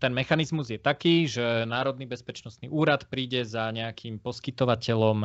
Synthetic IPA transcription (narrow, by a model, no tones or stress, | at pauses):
t̪ɛnmɛxanizmuzjɛt̪akiːʒɛnaːɾɔd̪nibɛspɛt͡ʃnɔst̪niʔuːɾat̪pɾiːɟɛzaɲɛakʰimpɔskit̪ɔʋacɛlɔm